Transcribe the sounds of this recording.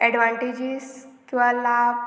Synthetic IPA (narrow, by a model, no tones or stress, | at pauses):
ɛɖʋaɳʈid͡ʑiskĩw̃ʋalab